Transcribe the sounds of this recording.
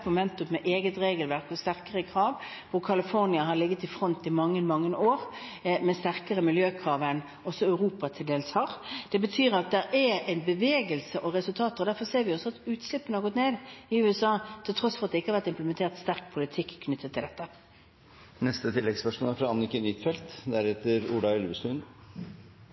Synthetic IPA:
mʊmɛnt̪ʉmmɛʔeːɡət̪ʁeːɡəlʋæʁkɔst̪æʁkəʁəkʰʁɑːʋ | ʋʊɾkʰɑlɪfɔʁnɪɑɦɑɾlɪɡːət̪ɪfʁɔnt̪ɪmɑŋːənmɑŋːəoːɾ | mɛst̪æʁkəʁəmɪljøːkʰʁɑːʋən | ɔsːɔɑʉʁuːpɑt̪ʰɪld̪eːlshɑɾd̪̥ɛbət̪ʰyːɾɑt̪̚d̪ɛɾæɾɛɪnbəʋeːɡəlsəʔɔʁɛsʉlt̪ʰɑːt̪əʁɔd̪æʁfɔɾseːɾʋɪɔsːɔɑt̪ʉːt̪slɪpːənəhɑʁɡɔt̪neːd̪ɪʉːɛsɑːt̪ʰɪlt̪ʰɾɔsːfɔɾʁɑt̪d̪ɛɪkːəɑʋæɾt̪ɪmpləmɛnt̪ʰeːʁt̪st̪æʁk̚pʰʊlɪt̪ʰɪkʰːnʏt̪ʰːət̪ʰːɪld̪ɛt̪ːə | nɛst̪ət̪ʰɪlːɛɡspœʂmo̰ːlæɾfɾɑɑnɪkənɪt̪fɛlt̪d̪æɾɛt̪əɾʊɖ̪ɑɛlʋəsʉn

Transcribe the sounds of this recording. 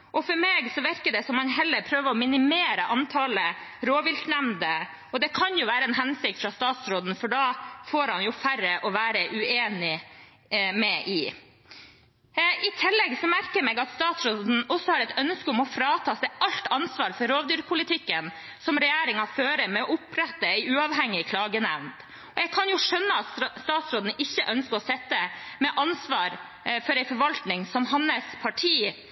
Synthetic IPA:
ʔɔfɔɾmeːɡsɔʋɪɾkəɖɛsɔmhɑnɦɛlːəɾpʰɾøːʋəɾɔmɪnɪmeːɾəʔɑnt̪ʰɑːləɾoːʋɪlt̪næmnd̪ə | ɔd̪ɛkʰɑnjʊʋæːɾəɛnɦɛnsɪk̚t̪fɾɑst̪ɑːt̪sɾoːd̪n̩fɔɖɑfoːɾhɑnjʊfæɾəʔɔʋæːɾəʔʉeːnɪ | mɛʔɪ | ɪt̪ʰɪlːɛɡsɔmæɾkəɾmɛɡɑt̪st̪ɑːt̪sɾoːd̪n̩ɔsːɔhɑːɾɛt̪ʰœnskəʊmɔfɾɑːt̪ʰɑːsɛɪʔɑlt̪ɑnsʋɑːɾfɔɾɾoːʋd̪yːɾpʰʊlɪt̪ʰɪkːən | sɔmɾɛjæːɾɪŋɑføːɾəmɛɔʊpɾɛt̪ːəæɪʉːɑʋɦɛŋːɪkʰlɑːɡənæʋnt̪ | ɔɛɡkʰɑnjʊʂœnːəɑt̪st̪ɑːt̪sɾoːd̪n̩ɪçːəʔœnskəɾɔsɛt̪ːəmɛʔɑnsʋɑːɾ | fɔɾæɪfɔɾʋɑlt̪nɪŋsɔmhɑnːəspʰɑʈʰiː

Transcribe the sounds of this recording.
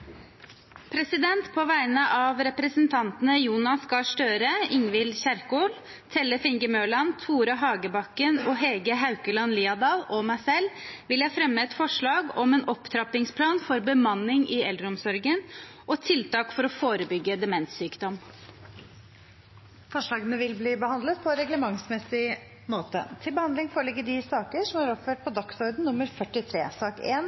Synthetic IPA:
pʰɾɛsɪd̪ɛnt̪pʰoːʋæɪnəʔɑːʋɾɛpɾəsnt̪ʰɑnt̪ənəjuːnɑskɑʂʈøːɾəɪŋʋɪlçæɾkoːl | t̪ʰɛləfɪŋɡəmøːlɑnt̪ʰuːɾɑɦɑːɡəbɑkːənoːɦɛɡəɦɑʉkəlɑnliːɑd̪ɑːlɔmæɪsɛlʋɪljæfɾɛmːəɛt̪fɔʂɭɑːɡɔmeːnɔpt̪ʰɾɑpɪŋspʰlɑːnfɔɾbəmɑnːɪŋʔɪɛld̪ɾɔmsɔɾɡənʔɔt̪ʰɪlt̪ɑːkfɔɾɔfoːɾəbʏɡːəd̪ɛmɛnt̪syːkd̪ɔm | fɔʂɭɑːɡənəʋɪlbliːbəhɑnd̪lət̪̚pʰɔɛnɾɛɡləmɑŋsmɛsɪ | moːt̪ə̰t̪ʰɪlbəhɑnd̪lɪŋfoːɾɭɪɡːəɖɪsɑːkəʂɔmɑɾɔpføːʈ̚pʰɔd̪ɑksɔɾd̪n̩nʊmːəɾfœʈɪt̪ʰɾeːsɑːkḛːn

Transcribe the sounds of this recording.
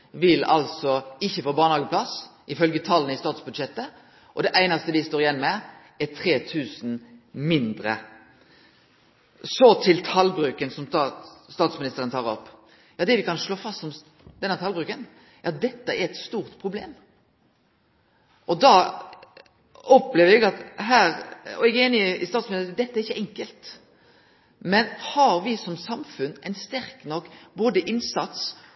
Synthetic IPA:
ʋɪlɑ̰lsɔɪçːəfoːbɑːʁnhɑːɡəpʰlɑsʔɪfœlɡət̪ʰɑlːənɪst̪ɑːt̪sbʉd̪ʂɛt̪ːə | ʔɔd̪ɛʔæɪnɑst̪əd̪ɪst̪oːʁjɛnːmɛ | ɛt̪ʰɾeːt̪ʰʉːsn̩mɪnd̪ɾə̰ | sɔt̪ʰɪlt̪ʰɑlbʁʉːkənsɔmɑst̪ɑːt̪smɪnɪst̪əʁənt̪ʰɑːʁɔpː | jɑːd̪ɛʋɪkɑnʂɭoːfɑst̪sɔm | d̪ɛnːəɾt̪ʰɑlbʁʉːkən | jɑt̪̚d̪ɛt̪ːəɛɾɛt̪st̪uːʁt̪pʰʁʊbleːm | ʔɔd̪ɑː | ɔpleːʋɛɡɑt̪ɦæːɾɔ̰ɛɡeːnɪɪst̪ɑːt̪smɪnɪd̪ɛt̪ːəæɾɪçːəʔɛŋkəlt̪ | mɛnhɑɾʋɪsɔmsɑmfʉnɛɪnst̪æɾknɔkːboːd̪əʔɪnsɑt̪s

